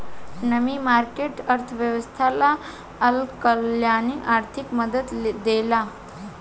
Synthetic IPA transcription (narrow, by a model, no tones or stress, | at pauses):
nəmimaɾkeʈəɾt̪ʰəʋjəʋəst̪ʰala | əlkəljaːniaːɾt̪ʰikməd̪ət̪d̪ela